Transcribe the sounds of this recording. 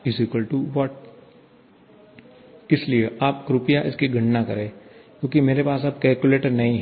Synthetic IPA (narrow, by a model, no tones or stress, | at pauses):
ɪziːkəlʈuʋɔːʈ | kɪslieʔaːp̚kɾʊpijaʔɪskiɡʱɐ̃ɳnakɐɾẽːkjõːkimeːɾepaːsab̚kɛːlkjuleːʈəɾnɐɦĩɦ